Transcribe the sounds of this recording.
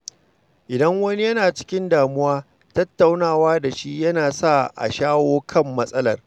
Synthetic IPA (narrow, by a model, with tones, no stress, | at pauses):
ʔɪ˨dɐ˦ŋwɐ˦ni˦jɐ˦naː˨t͡ʃɪ̥˦kʲɪ˦ndaː˨mʊ˦waː˦ | tɐ˦tːa˨wnaː˦˨waː˦da˨ʃi˦jɐ˦naː˨sa˦˨ʔa̰˨ʃaː˦woː˦kʰɐ˦˨mːɐ˦sʼɐ˦lɐ̰˦˨r